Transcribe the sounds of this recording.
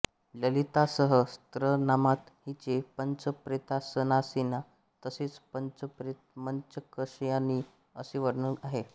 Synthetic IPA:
ləlit̪asəɦəst̪ɾənamat̪hit͡ɕepəɲt͡səpɾet̪asənasina | t̪əset͡spənt͡səpɾe | məɲt͡ɕəkəʂjãni | əseʋəɽnəaɦe

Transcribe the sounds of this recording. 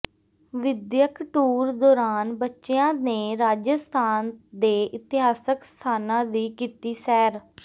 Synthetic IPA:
ʋɪd̪jəkʈuːɾd̪ɔːɾaːnbətːʃeãːneːɾaːd͡ʒəst̪ʰaːnd̪eːʔɪt̪ɪɦaːsəkst̪ʰaːnãːd̪iːkiːt̪iːsɛːɾ

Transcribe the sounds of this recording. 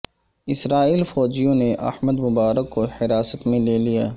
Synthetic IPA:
ɪsɾaːiːlfɔːd͡ʒijõneʔɐ̰hməd̪mʊbaːɾəkːohɪɾaːsət̪mẽleːlija̰ː

